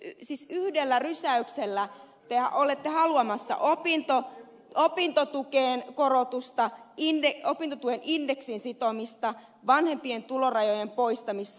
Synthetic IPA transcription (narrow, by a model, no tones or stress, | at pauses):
siːsyhdelːærysæykselːæ | t̪ehɑ̰olet̪ːehɑluɑmɑsːɑ̰ʔopint̪o | ʔopint̪ot̪ukeːnkorot̪ust̪ɑindeopint̪ot̪uenindeksinsit̪omist̪ɑ | ʋɑnhempient̪ulorɑjojempoist̪ɑmisː